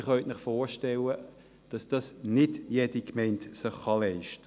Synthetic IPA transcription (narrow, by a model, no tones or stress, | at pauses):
χœʏtnɪχfoːɹʃtɛlə | d̥ɑsd̥ɑsnɪdjed̥ikmɛɪntsɪχːɑlɛɪʃtə